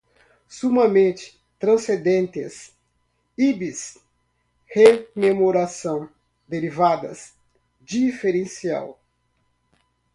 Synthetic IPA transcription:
sumɐmẽnt͡ʃ̪ɪ̥ | t̪ɾɐ̃sẽd̪ẽnt̪ɪ̰s | ibis | hememoɾasɐ̃w̃ | d̪eɾivad̪ɐ̰s | d͡ʒifeɾẽsia̰w

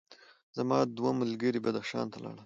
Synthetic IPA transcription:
zamɑd̪waməlɡəɾibad̪axʃɑ̰nt̪alɑ̰ɽəm

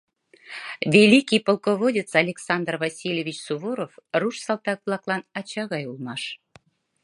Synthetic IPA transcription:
vʲelʲikʲijpolˠkoβodʲet͡sɑlʲeksɑnd̪rvɑsʲilʲevʲit͡ɕsuβoɾofruʃsɑlt̪ɑk̚vlˠɑklˠɑnɑt͡ɕɑɣɑjulˠmɑʃ

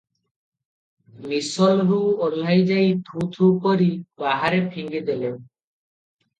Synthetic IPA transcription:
misɔlɦuolajd͡ʒajt̪ʰut̪ʰukoɾibaɦaɾepʰiŋɡed̪elen

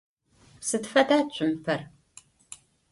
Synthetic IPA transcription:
sɨtfɐdaːt͡ʃʷʼɪmpʰɐr

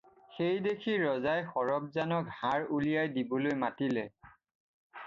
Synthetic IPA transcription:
xejdekʰiɹɔzajxɔɹɔb̚zanɔkhaɹulijajdibɔlojmatilɛ

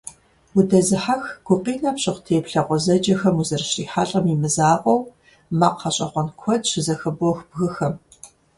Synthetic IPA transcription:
wʊdɐzɨħaxɡ̥ʷʊqʼiːnaːpɕʼɪχʷtʰeːpɬɐqʷɔzɐd͡ʒɐxɐmuzɐrɕriːħaːɬʼɐmiːmɨzaːqʷʼɔw | maqʰːɐɕʼɐχʷɔnkʷʰɔdɕɪzɐxɐbɔxbɣɨxɐm

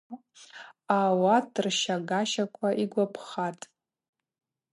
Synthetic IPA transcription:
awatʰrʃaɡaʃakʷʰaʔiɡʷapʰχatʼ

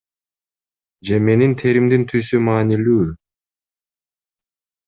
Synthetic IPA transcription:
d͡ʒeme̞nint̪ʰe̞ɾimd̪int̪ʰysymaːnilyː

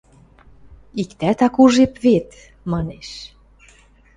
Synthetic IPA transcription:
ikt̪æt̪ɑkuʒepβet̪ | mɑneʃ

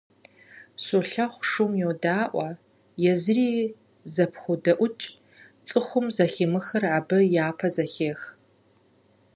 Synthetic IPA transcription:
soɬɐχʷʂʊmjɛwdaːʔʷɐ | jɛzriː | zɐpʰxʷʊdɐʔʷʊt͡ʃʼ | t͡sʼɨχʷʊmzɐximɨxɐrʕabɨjaːpʰɐzɐxeːx

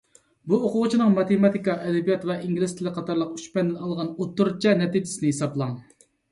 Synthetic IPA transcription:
buoqʊʁʊt͡ʃʰinɨŋmɑt̪emɑt̪ʰikɑʔɛd̪ɛbijɑt̪vɛʔiŋɡʲilɪst̪ɪlɪqʰːɑt̪ʰɑɾlˠəqy̥ʃpɛnd̪ɪnɑlˠʁɑnot̪ːuɾt͡ʃʰɛnɛt̪id͡ʒɪ̥sɪnɪhesɑblˠɑŋ

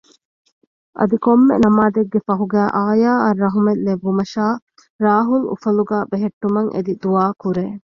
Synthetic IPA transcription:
ʔɐ̰d̪ikomːḛnɐmaːd̪eɡːefɐɦuɡæːʔaːjaːɐrːɐɦumelːeʋːumɐʃaː | ɾaːɦulṵfɐluɡaːbeɦeʈːumɐŋʔḛd̪id̪uaːkuɾeː

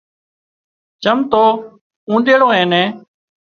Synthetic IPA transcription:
t͡ʃəmt̪oː | ũːnd̪eːɽõːɦẽːnẽː

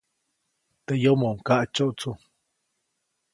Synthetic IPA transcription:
t̪ejomoʔŋkaʔt͡ʃoʔut͡su

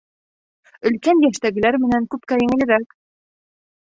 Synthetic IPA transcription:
ɵ̆lkænjæʃt̪æɡɘ̆læɾmɘ̆næŋkʉp̚kæjɘ̆ŋɘ̆lɘ̆ɾæk

